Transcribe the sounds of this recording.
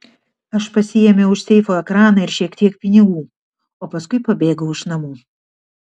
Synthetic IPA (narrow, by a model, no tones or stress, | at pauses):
ɐʃpɐsʲɪjɛmʲɛʊʃsʲɛɪfoːɛkɾɑːnɐɪɾʃʲiɛkt̪ʲiɛk̚pʲɪnʲɪɡuː | oːpɐskʊɪpɐbʲeːɡɐʊɪʃnɐmuː